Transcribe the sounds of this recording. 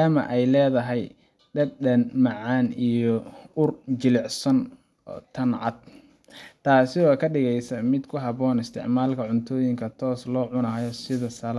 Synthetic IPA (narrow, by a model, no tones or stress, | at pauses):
aːmɐ̰ʔɛjlɛːðɐɦɛj | ɖɐd̪ɗɐnmɐʕaːnijɔʊrt͡ʃɪlɪʕsɐn | ɔ̰ːt̪ʰɐnʕɑ̰d̪̚ | t̪ʰaːsɪɔːkʰɐɖɪɣɛjsɐmɪd̪kʰʊɦɑβɔːnɪst̪ʰɪ̰ʕmaːlkʰɐʕʊnt̪ʰɔːjɪŋkʰɐt̪ʰɔːslɔːʕʊnaːjɔsɪðɐsɐl